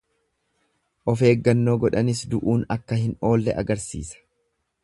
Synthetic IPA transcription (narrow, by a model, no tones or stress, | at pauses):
ʔɔfe̞ːɡːɐnːo̞ːɡɔᶑɐnɪs̬d̪ʊʔuːnɐkːɐhɪno̞ːlːɛ̰ʔɐ̰ɡɐɾsḭːsɐ̥